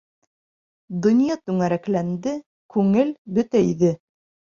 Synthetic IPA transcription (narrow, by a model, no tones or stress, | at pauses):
d̪ŏnʲjɑt̪ʉŋæɾæklænd̪ɘ | kʉŋɘlbɵt̪æiðɘ